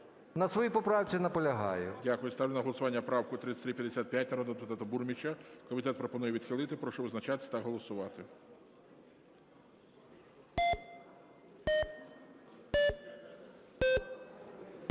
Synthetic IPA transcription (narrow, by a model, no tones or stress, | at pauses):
nɐsʋɔjipɔpɾɑwt͡sʲinɐpɔlʲɐɦɑ̰jʊdʲakʊjɛst̪ɑwlʲenɐɦɔlˠɔsʊʋɑnʲːɐpɾɑwkʊt̪ɾɪt̪sʲt̪ɾipʲjɐd̪ʲesʲat̪̚pjat̚ʲnɐɾɔd̪ɔd̪epʊt̪ɑt̪ʊburmʲit͡ʃʲɐkɔmʲit̪ɛt̪̚pɾɔpɔnujɛʋʲid̪xɪlˠɪt̪ɪpɾɔʃɔʋɪznɐt͡ʃat̪ɪ̥sʲɐt̪ɐɦɔlˠɔsʊʋɑt̪ɪ